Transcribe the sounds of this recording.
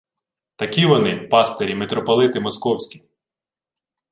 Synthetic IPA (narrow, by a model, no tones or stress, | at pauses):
t̪ɐkʲiʋɔnɪpɑst̪eɾʲimet̪ɾɔpɔlˠɪt̪ɪmɔskɔwsʲkʲi̥